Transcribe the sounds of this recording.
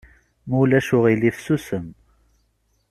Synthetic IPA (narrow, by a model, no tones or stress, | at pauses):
mulæʃʊʁiliθsusəm